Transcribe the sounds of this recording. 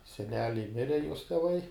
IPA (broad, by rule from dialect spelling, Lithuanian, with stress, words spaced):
sʲɛˈnʲæːlʲɛɪ ˈmʲɪrʲɛ juɔs tʲɛˈʋɐɪ